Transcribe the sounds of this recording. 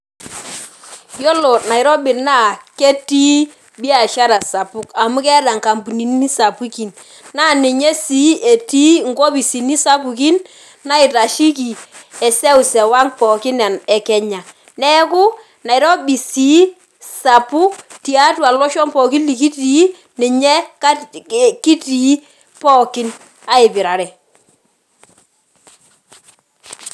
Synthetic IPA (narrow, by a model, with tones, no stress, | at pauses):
jɔ˦lɔ˨na˨ɪ˨ɾɔ˦bɪ˨na˦˨ke˦ti˦ | bi˦a˨ʃa˦ɾa˨sa˨pʊ˦ka˨mʊ˦kɛ˦ɾa˨ŋka˨mbu˨ni˨nː˦i˦sa˨pu˦ki˨n | na˦˨nɪ˨ɲe˦si˦e˨ti˦ŋ˦ɡɔ˦bi˨si˨ni˦sa˦pu˨ki˦nː | a˦ɪ˨ta˨ʃi˦ki˨ɛ˨sɛ˦u˨sɛ˨wa˦ŋpɔ˨kɪ˦nɛ˨nɛ˨kɛ˨ɲa˨ | nɛ˦kʊ˦ | na˨ɪ˨ɾɔ˦bi˨si˨˦ | sa˨pu˦ti˨a˦twa˨lɔ˦ʃɔ˦mpɔ˨ki˦lːi˨ki˦ti˨˦ | nɪ˨ɲɛ˦ka˦ki˦ti˨˦ | pɔ˦kɪ˦n | a˦ɪ˨bɪ˨ɾa˨ɾɛ˨